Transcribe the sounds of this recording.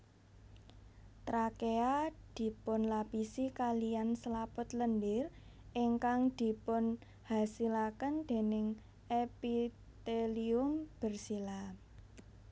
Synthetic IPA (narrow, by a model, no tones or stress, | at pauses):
t̪ɾakead̪̥i̤pʊnlapisikalijanslapʊt̪ləndɪr | ʔiŋkaŋd̪̥i̤pʊn | hasilakənd̪̥e̤nɪŋ | ʔepi | t̪eliʊmb̥ə̤rsila